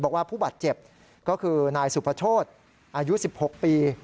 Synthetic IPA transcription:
bɔː˨˩k̚waː˥˩pʰuː˥˩baː˨˩t̪̚t͡ɕe˨˩p̚ | kɔː˥˩kʰɯː˧naː˧jsu˨˩pʰa˧˥t͡ɕ̪ʰoː˥˩t̪̚ | ʔaː˧ju˦˥si˨˩p̚ho˨˩k̚piː˧

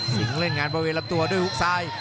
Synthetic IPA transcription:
tḭ˨˦ŋɾe˥˩nŋaː˧nbɔː˧weː˧la˦˥p̚t̪u˧ɐdu˥˩əjhu˦˥k̚saː˧j

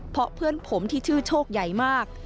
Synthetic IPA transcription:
pʰɾɔ˧˥pʰɯ˥˩ənpʰo˩˦mt̪ʰiː˥˩t͡ɕʰɯː˥˩t͡ɕʰoː˥˩k̚ja˨˩jmaː˥˩k̚

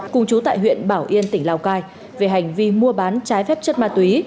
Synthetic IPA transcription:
kʊ˧ŋ͡mt͡ɕu˨˦t̪a̰ː˧˨jɦwḭ˧˨ənɓaː˧˩wʔi˧ənt̪ï˧˩ŋ̟laː˧wkaː˧j | ve˨˩ɦa˨˩jŋ̟vi˧mu˧əɓaː˨˦nt͡ɕaː˨˦jfɛ˦˥p̚t͡ɕə˦˥t̚maː˧˩t̪wi˨˦

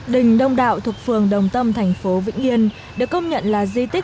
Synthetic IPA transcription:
ɗï˨˩ŋ̟ɗə˧wŋ͡mɗa̰ː˧˨wt̪ʰu˨˩ək̚fɨ˨˩əŋɗə˨˩wŋ͡mt̪ə˧mt̪ʰɛ˨˩jŋ̟fo˨˦vḭ˧˥ŋ̟i˧ən | ɗɨ˨˩əkːə˧wŋ͡mɲə̰˧˨nlaː˨˩zi˧t̪ï˦˥

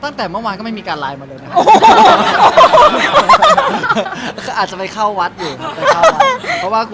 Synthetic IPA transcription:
t̪a˥˩ŋt̪ɛː˨˩mɯ˥˩waː˧nkɔː˥˩m˥˩miː˧kaː˧nlaː˧jmaː˧lɤː˧jnna˦˥k | kʰa˧˥˩ʔaː˨˩t̪̚t͡ɕa˨˩pa˧jkʰa˥˩wːa˦˥t̪̚juː˨˩a˧a˦˥ɔ˦˥waː˥˩kʰ

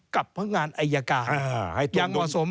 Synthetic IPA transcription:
ka˨˩p̚na˦˥ŋaː˧nʔa˧jːa˧kaː˨˩a˧hja˧ŋmɔ˨so˩˦m

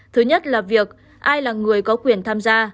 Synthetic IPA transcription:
t̪ʰɨ˨˦ɲə˦˥t̚laː˨˩vi˨˩ək̚ | ʔaː˧jlaː˨˩ŋɨ˨˩əjkɔ˨˦kwi˨˩ənt̪ʰaː˧mzaː˧

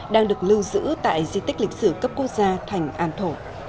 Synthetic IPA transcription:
ɗaː˧ŋɗɨ˨˩ək̚lɨ˧wzɨ̰˧˥t̪a̰ː˧˨jzi˧t̪ï˦˥k̟̚lï˨˩k̟̚sɨ˧˩kə˦˥p̚ku˦˥ək̚zaː˧t̪ʰa˨˩jŋ̟ʔaː˧˩nt̪ʰo˧˩

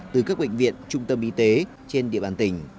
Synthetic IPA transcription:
t̪ɨ˨˩kaː˦˥k̚ɓḛ˧˨ŋvḭ˧˨ənt͡ɕʊ˧ŋ͡mt̪ə˧mʔi˧t̪e˨˦ | t͡ɕe˧nɗḭ˧˨əɓaː˧˩nt̪ï˨˩ŋ̟

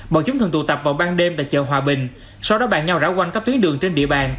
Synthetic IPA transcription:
ɓə̰ː˧˨t͡ɕʊ˨˦ŋ͡mt̪ʰɨ˨˩ŋt̪t̪ə˨˩p̚vaː˨˩wɓaː˧nɗe˧mɗa̰ː˧˥t͡ɕə̰ː˧˨ɦwaː˨˩ɓï˨˩ŋ̟ | sa˧wɗɔ˨˦ɓa̰ː˧˨nɲa˧wzaː˧˩wkwa˧ŋkaː˦˥k̚t̪wnɗɨ˨˩əŋt͡ɕe˧nɗḭ˧əɓaː˨˩n

